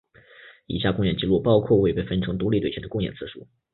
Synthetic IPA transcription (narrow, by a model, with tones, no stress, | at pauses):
ḭ˨˩ɕja˥˧kʊ˥˧ŋjɛ˥˩nt͡ɕi˥˧lu˥˩pɑ˥ʊkʰwɔ˥˧we˥˧ɪpe˥˩ɪfə˥nʈ͡ʂʰɤ˧˥ŋt̪̬u˧˥li˥t̪we˥˩ɛ˧˥nd̪ə˧kʊ˥˧ŋjɛ̰˥˩nt͡sʰɹ̩˥˩ʂṵ˥